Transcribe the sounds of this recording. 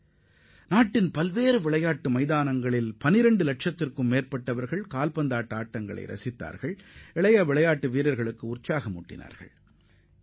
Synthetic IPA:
naːʈːɪnpɐlʋeːɾɯʋɪɭɐjaːʈːɯmɐɪðaːnɐŋɡɐɭɪlpɐnɪɾɐɳɖɯlɐʈʂɐt̪ːɪrkɯmːeːrpɐʈːɐʋɐɾɣɐɭkaːlpɐnd̪aːʈːɯaːʈːɐŋɡɐ̰ɭɐ̰ɪɾɐ̰sɪt̪ːa̰ːɾɣɐɭɛɭɐjaːʋɪɭɐjaːʈːɯʋiːɾɐɾɣɐɭɯkːɯʊrt͡ʃaːɣɐmʊ̰ʈːɪ̰na̰ːɾɣɐ̰ɭ

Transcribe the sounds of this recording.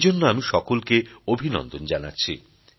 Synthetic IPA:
d͡ʑonːoamiʃɔkolkeobʱinɔ̰nd̪ond͡ʑana̰tːɕʰḭ

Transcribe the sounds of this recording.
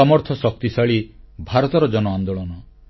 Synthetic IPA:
ɔmɔɾt̪ʰɔsɔk̚t̪isaɭi | bʱaɾɔt̪ɔɾɔd͡ʒɔnɔand̪oɭɔnɔ

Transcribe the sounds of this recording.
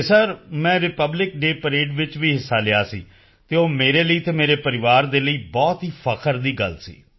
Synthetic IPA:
səɾmɛ̃ːɾɪpəblɪkɖeːpəɾeːɖʋɪt͡ʃʋiːɦɪsːaːlɪa̰ːsḭː | t̪eːoːmeːɾeːləiːt̪eːmeːɾeːpəɾɪʋaːɾd̪eːləiːbɔːt̪ɦiːpʰəkʰəɾd̪iːɡə̰lsḭː

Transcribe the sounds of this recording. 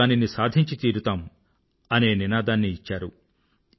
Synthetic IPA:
aːninisaːd̪ʱiɲt͡ʃit̪iːɾut̪aːm | ɐneːninaːd̪aːnːiːt͡ʃːaːɾu

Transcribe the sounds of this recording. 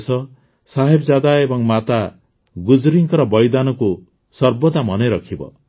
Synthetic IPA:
sɔ | saɦebɔd͡ʒad̪aebɔŋmat̪a | ɡud͡ʒɾiŋkɔɾɔbɔjd̪anɔku | sɔɾbɔt̪amɔneɾɔkʰibɔ̰

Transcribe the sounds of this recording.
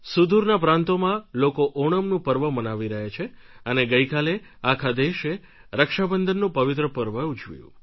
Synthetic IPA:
sud̪ʱuɾnapɾãnt̪omãlokoʔoɽ̃əmnũpəɾʋəmənaʋiɾəɦet͡ʃʰeəneɡəjkaleakʰad̪eʃe | ɾəkʃabənd̪ʱənːũpəʋɪt̪ɾəpəɾʋəut͡ʃʋjṵ̃

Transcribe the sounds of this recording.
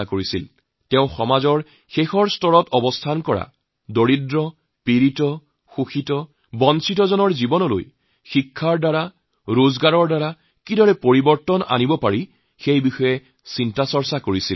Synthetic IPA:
akoɹisil | tɛʊ̃xɔmazɔɹ | xexɔɹstɔɹɔtɔbɔstʰankɔɹa̰ | doɹidɹɔ | piɹitɔ | xuxitɔ | bɔnsitɔzɔnɔɹzibɔnɔlo̰j | xikʰːaɹdaɹa | ɹozɡaɹɔɹdaɹa | kidɔɹɛpoɹibɔɹtɔna̰nibɔpaɹi | xejbixɔjɛ | sintasɔɹsakoɹisḭl

